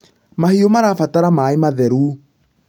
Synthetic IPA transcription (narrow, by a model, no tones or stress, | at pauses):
mahiomaɾaːfataɾamaemaðɛɾu